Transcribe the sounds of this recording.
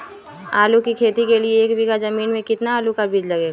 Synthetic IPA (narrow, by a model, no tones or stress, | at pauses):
aːlukikʰeːt̪ikelieːkbʱiɡazɐmiːnmẽkɪt̪naaːlukabiːd͡ʒlɐɡeːɡa